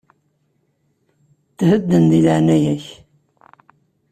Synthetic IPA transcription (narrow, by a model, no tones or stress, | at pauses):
t̪həd̪ːənd̪iləʕnæjæç